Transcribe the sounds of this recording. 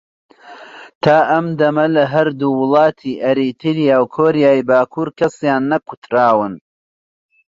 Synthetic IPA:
t̪ʰaːʔɐmd̪ɐmɐlɐɦɐɾd̪uwʊlˠɑːt̪ʰiːʔɐɾiːt̪ʰɨɾjaːwkʰoːɾijaːjbaːkʰuːɾkʰɐsjaːnːɐku̥t̪ɾaːwɨn

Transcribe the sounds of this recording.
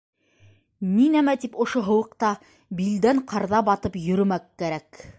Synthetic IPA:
ninæmæt̪ipŏʃoɦŏwɤ̆qt̪ɑ | bild̪æɴqʰɑɾðɑbɑt̪ɤpjɵ̆ɾɵ̆mækːæɾæk

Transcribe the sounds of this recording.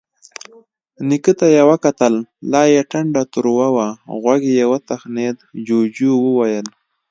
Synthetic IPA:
nikət̪ajawakat̪əllɑjaʈaɳɖat̪ʊɾwawaɣwaɡejawat̪axned̪d͡ʒod͡ʒuwəwajəl

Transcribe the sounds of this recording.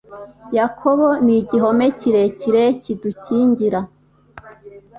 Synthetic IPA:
jakʰoβoniɟiɦo̞meciɾeciɾeciduciːɲɟiɾa

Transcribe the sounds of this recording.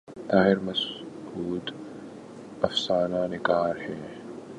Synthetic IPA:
t̪aːhɪɾmɐs | huːd̪ | ɐfsaːnaːnɪkʼaːɾhɛː

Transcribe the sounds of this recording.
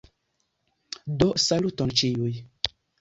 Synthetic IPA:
dosalutɔnt͡ʃiuj

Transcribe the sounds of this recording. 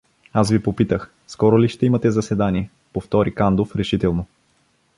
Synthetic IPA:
asvipopit̪əx | skɔɾoliʃt̪ɛimɐt̪ɛzɐsɛd̪aniɛ | poft̪ɔɾikand̪ofɾɛʃit̪ɛlˠno

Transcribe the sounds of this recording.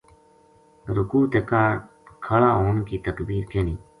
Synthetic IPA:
ɾʊkuːt̪eːkaːɾ | kʰəlaːoːnkiːt̪əkbiːɾkeːniː

